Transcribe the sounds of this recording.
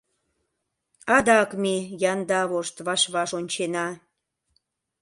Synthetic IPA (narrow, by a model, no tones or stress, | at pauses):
ɑd̪ɑkmijɑnd̪ɑβoʃt̪βɑʃβɑʃonʲt͡ɕenɑ